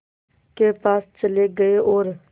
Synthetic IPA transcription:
kepaːst͡ʃəleɡəeʔoːɾ

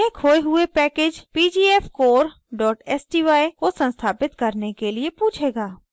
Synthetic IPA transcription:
ẽkʰoːeɦʊepɛːkeːd͡ʒpiːd͡ʒiːɛfkoːɾ | ɖɔːʈɛsʈiːʋaːikosə̃nst̪ʰaːpɪt̪kɐɾnekeliepuːt͡ʃʰeːɡaː

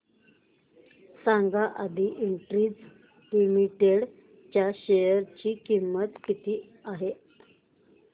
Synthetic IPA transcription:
saŋɡaʔad̪ʱiʔiɳʈɾiːd͡z | limiʈeɽ | t͡ɕjaɕejəɾt͡ɕiːkimːət̪kit̪iː | aɦe

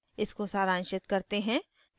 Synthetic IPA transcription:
ɪskosaːɾaːnʃɪt̪kɐɾt̪eɦɛ̃

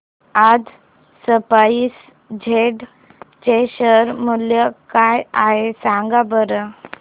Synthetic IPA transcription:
ad͡z | səpais | d͡ʑʱeɖ | t͡ɕeɕəɾmuljəkajaɦesaŋɡabəɾə

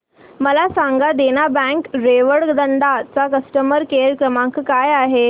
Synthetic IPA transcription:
məlasãŋɡad̪eñabɛ̃ŋkɾeʋəɽd̪ənd̪at͡sakəsʈəməɾkeɾkɾəmãŋkkajaɦe

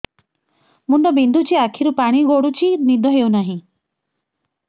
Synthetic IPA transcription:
mund̪ɔbind̪ʱut͡ʃʰiakʰiɾupaɽ̃iɡoɽut͡ʃʰinid̪ɔɦewnaɦĩ

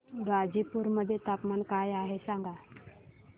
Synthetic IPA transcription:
ɡad͡ʑipuːɾməd̪ʱːjet̪apmankajaɦesaŋɡa

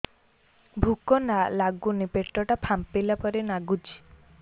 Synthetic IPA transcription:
bʱukɔnalaɡunipeʈɾɔʈapʰampelapɔɾenaɡud͡ʒi̥

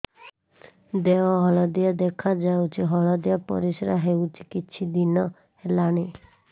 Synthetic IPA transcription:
d̪eɔɦɔɭɔd̪iad̪ekʰad͡ʒawt͡ʃʰiɦɔɭɔd̪ijapɔ̰ɾisɾaɦewt͡ʃʰi̥kit͡ʃʰid̪inɔ | helaɽ̃i

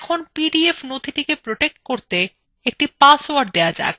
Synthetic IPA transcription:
ɛkʰonpiɖiefnod̪ʱiʈikepɾoʈek̚ʈ̚koɾt̪e | ek̚ʈipasoaɾɖ̚d̪ead͡ʑa̰ek

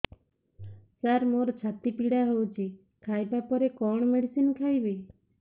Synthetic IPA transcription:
saɾmoɾɔt͡ʃʰat̪ipiɽaɦowt͡ʃʰi | kʰajbapɔɾekɔɳ̃ɔmeɽisinɔkʰajbi

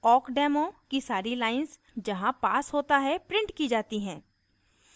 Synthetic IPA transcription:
ɔːkɖɛːmokisaːɾilaːɪns | d͡ʒɐɦãpaːsɦoːt̪aɦɛpɾɪ̃ɳʈkid͡ʒaːt̪iɦɛ̃ː

